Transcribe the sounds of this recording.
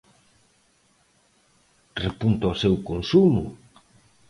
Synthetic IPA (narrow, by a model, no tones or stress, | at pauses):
repunt̪aosewkonsumʊ̰